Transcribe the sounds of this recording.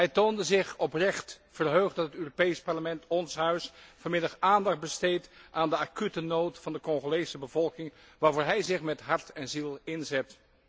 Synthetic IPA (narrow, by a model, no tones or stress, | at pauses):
ɦɛjtoːndəzɪχɔprɛχtfərɦøχdɑtətøːropejspɑɹləmɛntɔnsɦœɥsfoɹmɪdɑχaːndɑχd̚bəstejtʔaːndəakytənoːtfɑndəkɔŋχolejsəbəvɔlˠkɪŋ | ʋaːɹvoːɹɦɛjzɪχmɛtɦɑɹtɛnzilˠɪnzɛt